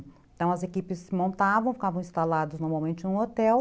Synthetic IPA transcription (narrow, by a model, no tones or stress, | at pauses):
ẽt̪ɐ̃w̃ɐzekipɪsːɪmõnt̪avɐ̃w̃fi̥kavɐ̃w̃ĩst̪alad̪ʊznoɾmawmẽnt͡ʃɪnũot̪ɛw